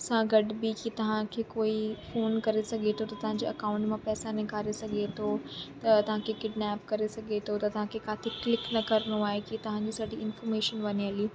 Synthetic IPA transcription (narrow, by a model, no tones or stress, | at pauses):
sãɡɐɖbɪkit̪ɐʋ̤ãkʰeːkoːifoːnkɐɾesɐɡʱet̪ʰot̪ɐt̪ɐʋãɲd͡ʑeːʔɐkaːʊ̃ɳʈmãpɛːsanɐ̃ɡʱaːɾesɐɡʱet̪ʰot̪ɐt̪ɐʋ̤ãkʰekɪɖnɛːpkɐɾesɐɡʱet̪ʰot̪ɐt̪ɐʋ̤ãkʰekaːt̪ʰɪklɪknɐkɐɾnoaːɦekit̪ɐʋ̤ãɲd͡ʑiːsɐʈiɪnfɔːɾmeːʃənʋɐniɐli